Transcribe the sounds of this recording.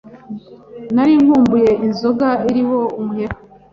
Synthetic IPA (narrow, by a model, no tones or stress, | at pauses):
naɾiŋ̥huːmbuje̞ʔinzo̞ɡaiɾiho̞umuheɾa